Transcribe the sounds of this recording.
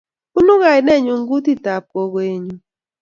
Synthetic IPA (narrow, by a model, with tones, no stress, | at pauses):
ku˦nu˦ɣa˨nɛ˦˨ɲu˨ŋɡu˦ti˦ta˨p̚kɔ˦kwe˦ɲu˨